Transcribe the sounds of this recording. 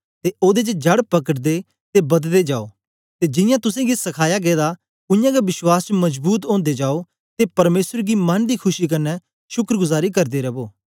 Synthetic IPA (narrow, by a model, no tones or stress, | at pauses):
t̪eʔoːd̪et͡ʃəd͡ʒɐɽpɐkəʈd̪e | t̪ebɐd̪d̪ed͡ʒaːoː | t̪ed͡ʒɪ̃jãt̪ʊs̬ẽɡisɐkʰaːjaɡɛːd̪a | ʊ̃jãɡabɪswaːst͡ʃmɐzbuːt̪̬õːnd̪ed͡ʒaːo | t̪epɐɾmeːsəɾɡimɐnd̪ikʰʊʃik̬ɐnːɛ | ʃʊkɾəɡʊzaːɾikɐɾd̪eɾɐboː